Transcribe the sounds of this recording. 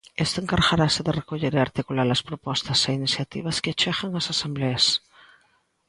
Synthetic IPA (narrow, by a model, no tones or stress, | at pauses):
est̪aeŋkaɾɣaɾasɪðɪrekoʎeɾeaɾt̪ikulalɐspɾopɔst̪ɐseiniθjat̪ḭβɐskɪt͡ʃɛɣaŋasasembleas